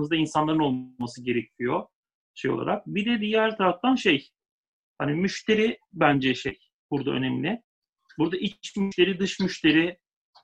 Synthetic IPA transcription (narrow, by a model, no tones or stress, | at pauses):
mɯzd̪ainsanlˠaɾɯno̞lˠmasɯɟe̞ɾecʰijo | ʃejo̰a̰ɾak̚bid̪ɛd̪ijæɾt̪ʰaɾaft̪ʰanʃej | hanimyʃt̪ʰe̞ɾibænd͡ʒɛʃej | buɾd̪a̰ø̰nemlʲɪ | buɾd̪aʔit͡ʃmyʃt̪e̞ɾid̪ɯʃmyʃt̪ʰe̞ɾɪ